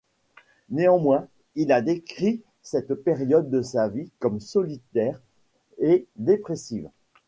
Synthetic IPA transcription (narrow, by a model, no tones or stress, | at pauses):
neɑ̃mwɛ̃ | ilad̪ekχi | sɛt̪peʁjɔd̪ːəsavikɔmsɔlit̪ɛːʁ | ed̪epχesiːv